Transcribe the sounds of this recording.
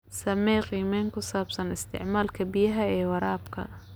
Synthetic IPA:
sɐmɛːqiːmɛːŋkʰʊsaːbsɐnɪst̪ʰɪ̰ʕmaːlkʰɐbɪjɐɦɐɛːwɐɾaːbkʰɐ̰

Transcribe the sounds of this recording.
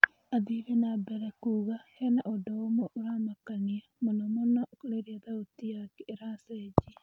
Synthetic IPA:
aðiɾenabɛɾɛkuːɣahɛnaʔodɔomoʔoɾaːmakaniamonɔmonakoleɾiaðaot̪ijakɛʔeɾasɛd͡ʒi

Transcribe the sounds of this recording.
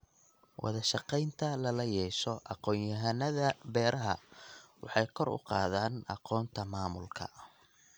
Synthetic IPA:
wʔɑ̰ðɐʃɑqɛjnt̪ʰɐlɐlɐjɛːʃɔʔɑqɔːnjɐɦɐnɐðɐbɛːɾɐɦɐ̰wɑħɑjkʰɔrʊ̰qɑ̰ːðaːnɑ̰qɔːnt̪ʰɐmaːmʊlkʰɐ̰

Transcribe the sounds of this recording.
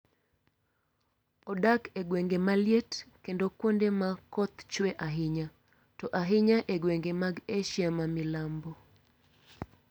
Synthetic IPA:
ɔdakeɡweŋɡemaljetkendokwondemakɔt̪t͡ʃwɛʔaɦɪɲa | tɔʔaɦɪɲaʔeɡwɛŋɡemaɡeʃjamamilambɔ

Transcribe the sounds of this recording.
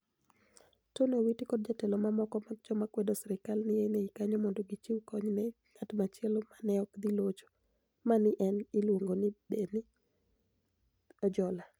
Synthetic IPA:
tonowitikɔd̚d͡ʒatɛlomamɔkɔmad͡ʒɔmakwedosɾɪkalnɪjenɛikaɲɔmɔndoɡit͡ʃiwkɔɲnɛ | ŋatmat͡ʃɪɛlomanɛɔkd̪ilot͡ʃo̥ | manɪʔɛnɪlwoŋɡonɪbeni | ɔd͡ʒɔla

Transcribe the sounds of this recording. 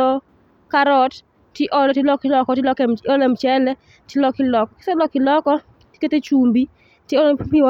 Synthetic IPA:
ɔ | kaɾɔt | tɪʔɔlɔtɪlɔkɪlɔkɔtɪlɔkɔlɛmt͡ʃɛlɛ | tjɪlɔkɪlɔkɔkɪ̥sɛlɔkɪlɔkɔ | ti̥ket̪et͡ʃumbi | tjeɔlpiɔ

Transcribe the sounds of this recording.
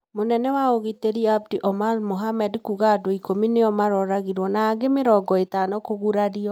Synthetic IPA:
monɛnɛwaoɣiteɾiab̚diʔɔmalmoɦamɛdkuɣadoikomineɔmaɾɔɾaɣiɾwɔnaːɡemeɾɔɡɔetanɔkoɣuɾaɾiɔ

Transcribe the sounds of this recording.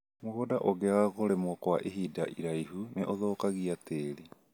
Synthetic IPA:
moɣodaʔoɣeaɣoɾemwɔkwaʔeɦiːdaʔiɾaiɦuneʔoðoːkaɣiateːɾi

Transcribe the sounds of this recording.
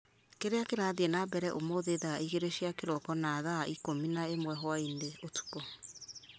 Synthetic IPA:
keɾeakeɾaðeenabɛɾɛʔomoðeðaːiɣeɾeʃiakeɾɔkɔnaːðaaʔikominaemwɛɦwaindeotu̥pɔ

